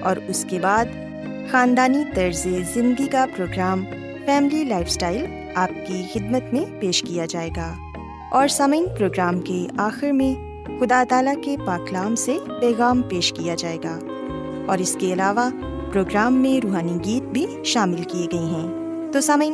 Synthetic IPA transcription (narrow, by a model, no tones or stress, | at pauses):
ɔːɾʊskebaːd̪ | xaːnd̪aːnit̪ɐɾzezɪ̃nd̪d̪ikapɾoːɡɾaːm | fɛːmɪlilaːɪfsʈaːɪl | aːp̚kixɪd̪mət̪mẽpeːʃkijad͡ʒaːeːɡaː | ɔːɾsaməinpɾoːɡɾaːmkeaːxɪɾmẽ | xʊd̪aːt̪aːlakepaːklaːmsepɛːɣaːmpeːʃkijad͡ʒaːeːɡaː | ɔːɾɪskeɐlaːʋa | pɾoːɡɾaːmːẽɾuːɦaːniɡiːt̪̚bʱi | ʃaːmɪlkieɡɐeɦɛ̃ː | t̪oːsaməi